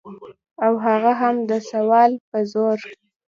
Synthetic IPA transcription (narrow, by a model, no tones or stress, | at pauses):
awɦaɣaɦamd̪əsawɑlpəzoɾ